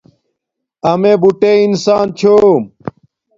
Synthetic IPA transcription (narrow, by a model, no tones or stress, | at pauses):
ɐmeːbuʈeːinsaːnt͡ɕʰoː